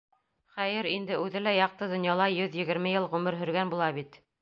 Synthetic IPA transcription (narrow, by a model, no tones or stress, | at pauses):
χæjɘɾind̪ɘʉðɘlæjɑq̚t̪ɤd̪ŏnjɑlˠɑjɵðjɘ̆ɡɘ̆ɾmɘjɤlˠʁʉmɘɾɦɵ̆ɾɡænbulˠɑβit̪